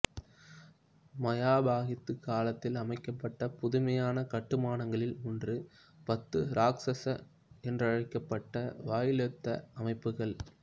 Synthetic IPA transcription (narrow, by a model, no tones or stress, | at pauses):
mɐjaːbaːɣɪt̪ːɯkːaːlɐt̪ːɪlɐmɐɪkːɐpːɐʈːɐpʊðʊmɐjaːnɐkɐʈːɯmaːnɐŋɡɐɭɪlʊndrɯ | pɐt̪ːɯɾaːksɐsɐ | ɛndrɐɻɐɪkːɐpːɐʈːɐʋaːjɪlɐt̪ːɐɐmɐɪpːɯɣɐɭ